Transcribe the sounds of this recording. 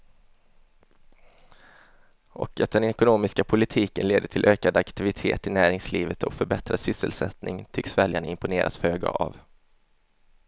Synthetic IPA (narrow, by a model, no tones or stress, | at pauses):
ʔɔ̰kat̪̚d̪ɛnɛkʊnoːmɪskapʰʊlɪt̪ʰiːkənleːd̪əʈʰɪlʔøːkad̪akt̪ɪvɪt̪ʰeːt̪ɪnæːɾɪŋsliːvət̪ʰɔ̰kfœɾbɛt̪ɾasʏsːə̰lsɛt̪nɪŋt̪ʰʏksvɛljaɳəɪmpʊneːɾʔa̰sføːɡa̰ʔa̰v